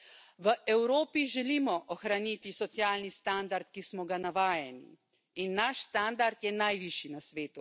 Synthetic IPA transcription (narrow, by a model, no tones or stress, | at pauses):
ʋəʔɛwɾoːpiʒɛlimɔʔɔxɾanit̪isɔt̪sjaːlnist̪and̪aɾt̪kismɔɡanaʋaːjɛnḭ | inːaʃst̪and̪aɾt̪jɛnajʋiʃinasʋeːt̪u